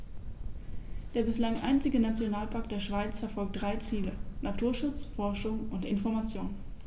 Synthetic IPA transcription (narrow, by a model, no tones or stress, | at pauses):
d̥eːɐbɪslaŋʔa̰ɪnt͡sɪɡənat͡sjonaːlpaɐk̚td̥eːɐʃv̥aɪt͡sfɛɐfɔlk̚t̚d̥ʁaɪt͡siːlənatʰuːɐʃʊt͡sfɔɐʃʊŋʊntɪnfɔɐmat͡sjoːn